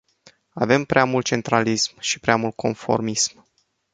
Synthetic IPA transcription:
ave̞mpɾeamult̪̚t͡ʃe̞nt̪ɾalismʃi̥pɾeamult̪̚kʰo̞̰nfo̞̰rmism

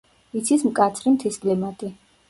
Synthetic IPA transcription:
it̪sʰismkʼat̪sʰɾimt̪ʰiskʼlimat̪ʼi

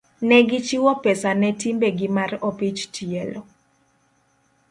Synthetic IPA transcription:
nɛɡɪt͡ʃiwɔpɛsanɛtimbeɡɪmaropit͡ʃtʰiɛlɔ

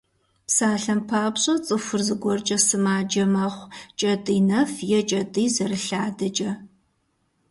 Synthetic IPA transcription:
psaːɬɐmpʰaːpɕʼɐt͡sʼɨfʷʊrzɨɡʷɔrt͡ʃʼɐsɨmaːd͡ʒɐmɐχʷt͡ʃʼɐtʼiːnɐfjɛt͡ʃʼɐtʼiːzɐrɨɬaːdɐt͡ʃʼɐ

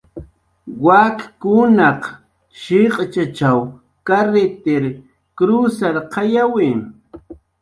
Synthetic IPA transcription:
wakkʊnɑq | ʃɪqʼt͡ʃat͡ʃaw | kaɾet̪eɾ | kɾusaɾqɑjawɪ

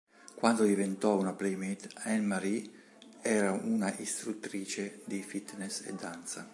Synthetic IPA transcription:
kwand̪od̪ivent̪ɔunapɾɛmit̪ɛnmaɾi | ɛːɾaunaʔist̪ɾut̪ːɾiːt͡ʃed̪ifit̪nɛsɛ̰d̪ːant̪sa̰

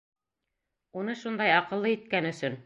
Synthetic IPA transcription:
unɤʃund̪ɑjɑqɤ̆lˠːɤit̪̚kænɵ̆sɵn

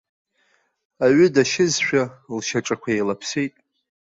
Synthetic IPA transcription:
aɥʏdaʃɪzʃᶣalʃaʈ͡ʂʼakʷʰaejlapʰsejtʼ

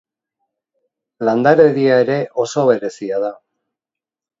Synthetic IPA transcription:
land̪aɾe̞ðiaeɾe̞ʔo̞so̞βe̞ɾe̞siað̞a

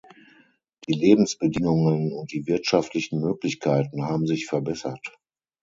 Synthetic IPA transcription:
d̥iːleːbm̩sb̥ədɪŋʊŋənʊnt̚d̥iːvɪɐtʃaftʰlɪçn̩møːklɪçkʰaɪtn̩ɦaːbm̩zɪçfɛɐbɛsɐt

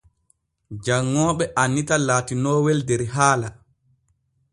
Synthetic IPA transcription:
d͡ʒaŋːɔːɓɛʔanːitalaːtinɔːwɛldɛɾɦaːla

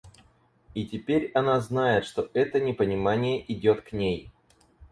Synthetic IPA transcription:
itʲɪpʲeɾʲɐnaznajɪt̪ʂt̪o̞ʔɛt̪ənʲɪpənʲɪmanʲɪjəʔɪdʲo̞t̪knʲej

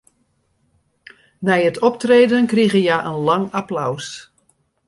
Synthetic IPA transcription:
nɛjətʰɔp̚treːdənkriɣəjaʔənlɑŋaplaws

